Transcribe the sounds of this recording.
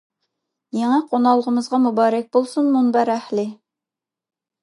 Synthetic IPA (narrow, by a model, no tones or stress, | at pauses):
jeŋɛqʰonɑlˠːəʁəmɨzʁɑmubɑːɾɛk̚ʲbolˠsunmunbæɾæhlɪ